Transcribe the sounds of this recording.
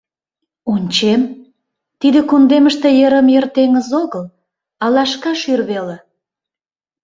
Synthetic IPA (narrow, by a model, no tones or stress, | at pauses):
unʲt͡ɕem | t̪id̪ekund̪eməʃt̪ĕjəɾəmjərt̪eŋəzoɣəl | ɑlɑʃkɑʃyrβelĕ